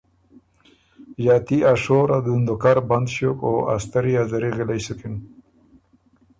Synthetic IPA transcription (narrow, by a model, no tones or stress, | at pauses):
jaːt̪iʔaʂoːɾad̪und̪okaɾband̪ɕokoa̰st̪aɾiazaɾiɣilajsukɪn